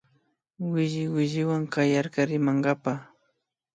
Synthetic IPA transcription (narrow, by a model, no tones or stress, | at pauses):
wɪʒɪwɪʒɪwaŋkajaɾkaɾɪmaŋɢɑpa